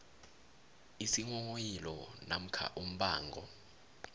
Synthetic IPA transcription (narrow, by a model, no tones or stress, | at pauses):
isiŋɔŋojilɔnam̩kʰa̰ʔum̩ɓaːŋɡʱɔ̰